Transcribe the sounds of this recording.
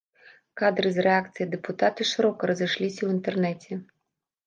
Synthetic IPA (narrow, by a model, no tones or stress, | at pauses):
kad̪ɾɨzɾeakt̪sɨjɐd̪epʊt̪at̪ɪʂɪɾɔkɔɾɔziʃlʲisʲɐwint̪ernɛtʲi